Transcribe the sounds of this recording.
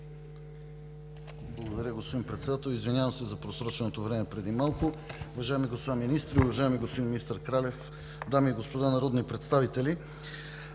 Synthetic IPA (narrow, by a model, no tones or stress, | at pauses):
blˠɡod̪ɐɾʲəɡospod̪impɾɛt̪sɛd̪at̪ɛlˠizvinʲjavəmsɛzɐpɾosɾɔt͡ʃɛnot̪ovɾɛmɛpɾɛd̪imalˠkʊuvɐʒajɛmiɡospod̪aminist̪ɾiʊvɐʒajɛmiɡospod̪iminist̪əɾkɾalɛf | d̪amiːɡospod̪anɐɾɔd̪nipɾɛt̪st̪avit̪ɛli